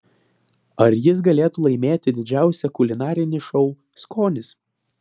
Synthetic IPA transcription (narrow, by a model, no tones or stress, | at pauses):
ɐɾjɪs̬ɡɐlʲeːt̪ulˠɐɪmʲeːt̪ʲɪd̪ʲɪd͡ʒʲæˑʊsʲɛkʊlʲɪnɑːɾʲɪnʲɪʃɔʊ | skoːnʲɪs